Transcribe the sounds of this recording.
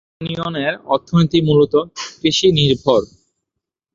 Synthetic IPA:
nioneɾɔɾt̪ʰːonit̪imulot̪okɾiʃiniɾbʱoɾ

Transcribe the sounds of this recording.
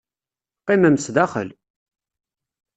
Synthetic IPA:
qːimæmsd̪æχə̰l

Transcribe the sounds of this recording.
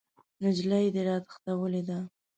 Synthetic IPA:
nʊd͡ʒlajd̪əɾɑt̪xt̪awəled̪a

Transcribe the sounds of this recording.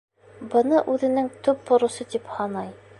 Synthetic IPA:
bɤ̆nɤʔʉðɘ̆nɘŋt̪ʉp̚t̪ŏɾŭsɤt̪iphɑnɑj

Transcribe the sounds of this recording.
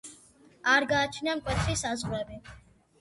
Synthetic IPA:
aɾɡaːt͡ʃʰnamkʼwɛt̪ʰɾisazʁɾɛbi

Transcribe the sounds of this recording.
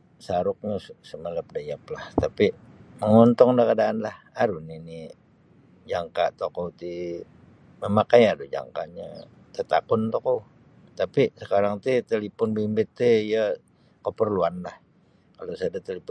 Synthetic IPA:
saɾʊk̚ɲassəmələp̚dajap̚laht̪apiməŋɔnt̪ɔŋdakadaːnlah | aɾuhnini | d͡ʒaŋka̰t̪okowt̪i | məmakajadod͡ʒa̰ŋka̰ɲa̰ | t̪ət̪a̰kʊnt̪okow | t̪apisəkaɾaŋt̪it̪əlipʊnbimbɪt̪ːeijə | kəpərluanlah | kalosadat̪əlip

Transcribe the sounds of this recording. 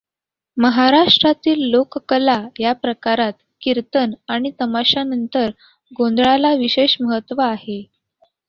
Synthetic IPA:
məɦaɾaʂʈɾat̪iːlːokkəlajapɾəkaɾat̪ | kiɾt̪ənaɽ̃it̪əmaɕanənt̪əɾ | ɡond̪ɭalaʋiɕeɕməɦət̪ːʋəːɦe

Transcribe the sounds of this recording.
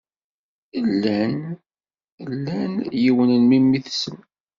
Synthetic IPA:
əlːæn | lːænjiwənənmimːiθsəm

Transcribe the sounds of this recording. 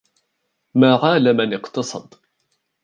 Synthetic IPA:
maʁaːlæmænɪqt̪ɑsˤɑ̰d̪ˤ

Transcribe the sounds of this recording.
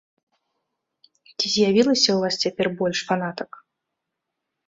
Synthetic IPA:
t͡sʲizʲjavʲilˠɐsʲɐuvast͡sʲapʲɛrbɔlʲʂfanat̪ɐk

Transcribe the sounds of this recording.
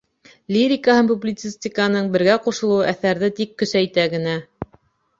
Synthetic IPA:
lʲiɾʲɪkahɤmpublʲɪt̪sɨsʲt̪ʲɪkɑnɤɴbɘ̆ɾɡæquʃŏlˠɤwɤʔæθæɾðɘt̪ikːɵ̆sæjt̪æɡɘ̆næ

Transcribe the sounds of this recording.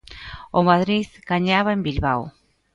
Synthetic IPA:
omaðɾiðkaɲaβaembilβaw

